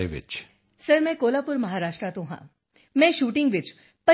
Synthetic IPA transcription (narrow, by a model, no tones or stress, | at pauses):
eʋɪ̰t͡ʃ | sɐɾmɛ̃koːlaːpʊɾmɐɦaːɾaːʃʈɾat̪õɦã̰ | mɛ̃ʃuːʈɪ̃ŋɡʋɪt͡ʃ | pɐ